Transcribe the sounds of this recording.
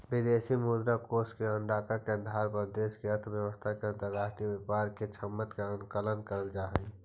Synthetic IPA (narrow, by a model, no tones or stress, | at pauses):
bɪd̪esimud̪ɾakoːskeəɳɖaːt̪akeə̃nd̪ʱaːɾpəɾd̪eːskeəɾt̪ʰbjəʋəst̪ʰakeə̃nt̪əɾaːd͡ʒt̪ibəpaːɾket͡ʃʰəmːət̪keə̃ŋkələnkəɾəld͡ʒaːɦəi